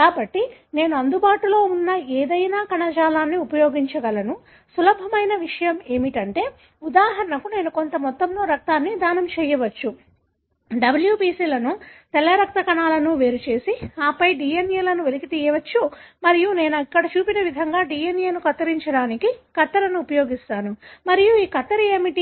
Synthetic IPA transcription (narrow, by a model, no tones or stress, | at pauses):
kaːbɐʈːine̞ːnuɐnd̪ubaːʈulo̞ːunːɐeːd̪ɐjnaːkɐɳɐt͡ʃaːlaːnːiupɐjo̞ːɡiɲt͡ʃɐɡɐlɐnu | sulɐbʱɐmɐjnɐʋiʂɐjɐme̞ːmiʈɐɳʈe̞ː | ud̪aːɦɐɾɐɳɐkune̞ːnuko̞nt̪ɐmɔt̪ːɐmlo̞ːɾɐk̚t̪aːnːid̪ʱaːnɐmt͡ʃɛːjɐʋɐt͡ʃːu | ɖɐbɐljupiːsiːlɐnut̪ɛlɐɾɐk̚t̪ɐkɐɳaːlɐnuʋe̞ːɾut͡ʃe̞ːsiaːpɐjɖiːjenjelɐnuʋelikit̪iːjɐʋɐt͡ʃːumɐɾijune̞ːnɐkːɐɽɐt͡ʃuːpinɐʋid̪ʱɐŋɡaːɖiːjenjenukɐt̪ːɐɾiɲt͡ʃɐɽaːnikikɐt̪ːɐɾɐnuːpɐjo̞ːɡist̪aːnumɐɾijuiːkɐt̪ːɐɾɐeːmiʈi